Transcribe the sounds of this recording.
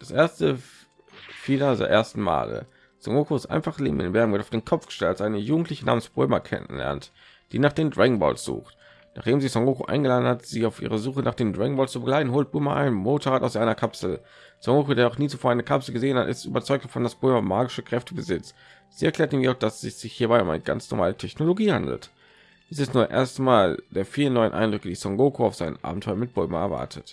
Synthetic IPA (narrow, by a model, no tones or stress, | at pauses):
d̥asʔeːɐstə | fiːlɐzḛʔeːɐstn̩ma̰ːlə̰ | z̥ɔ̰ŋokoɪstʔa̰ɪnfaχlḛːbm̩ʔɪ̰nvbɛɐmʊ̃ntaʊd̥eːnkʰɔpfɡ̥ə̥ʃtɛltasʔaɪnəjuːɡŋ̩tlɪçənaːmənsb̥ʊ̰mɐkʰɛ̰nə̰nlɛ̰ɐnt | d̥iːnaːχd̥eːmndʁɛŋbɔ̰ːlsz̥ṵːxt | na̰ːχd̥eːmzisɔŋʁokoʔa̰ɪnɡəlaːdn̩hatz̥iːaʊfʔḭːʁəzuːxənaːχd̥eːmdʁɛŋbɔːlst͡subəɡlaɪtn̩ɦoːlt̚b̥ʊʏmɐʔa̰ɪnmoːtʰoʁaːtaʊszaɪnɐkʰapsl̩ | sɔŋɡoːkodeːɐnɔχniːt͡su̥foːɐaɪnəkʰapsl̩ɡəzeːənha̰tʔɪ̰sty̰ːbɐt͡sɔʏk̚td̥ḁfɔndasb̥ʊlmɐmaːɡɪʃəkʁ̥ɛftəbəzɪt͡s | z̥iːɛɐkʰlɛːɐtiːmiaʊxd̥asɪz̥ɪçhiːɐbaɪʊmʔa̰ɪnəɡa̰nt͡snɔ̰ʁma̰ːlətʰɛçnoloɡiːhandl̩t | isɛstnuːɐʔḛːɐstmaːld̥eːɐfiːʁənːɔʏənʔa̰ɪndʁʏkəd̥iːsɔŋɡoːkʰoaʊfz̥aɪnə̰mʔa̰ːbm̩tʰɔʏɐmɪt̚b̥ʊlma̰ɛ̰ɐva̰ɐtʰə̰t